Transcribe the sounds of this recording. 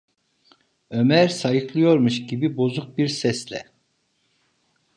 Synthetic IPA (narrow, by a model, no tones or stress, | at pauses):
ømæɾsajɯklˠɯjo̞ɾmuʃɟibibo̞zuk̚biɾsɛslʲɛ̰